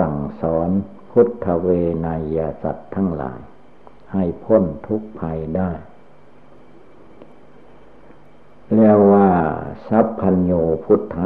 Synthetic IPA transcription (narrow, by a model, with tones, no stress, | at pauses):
a˨˩ŋsɔː˩˨˦n | pʰu˦˥t̪ʰːa˧weː˧na˧jːaː˧sa̰˨˩t̪ʰːa˧˥˩ŋla̰ː˩˦j | ha˧˨˩jpʰo˧˥˨nt̪ʰu˦˥k̚pʰa˧jdaː˥˩j | lɛː˧˩wːaː˧˩sa˦˥pʰːa˧njuː˧pʰu˦˥˩t̪ʰːa˧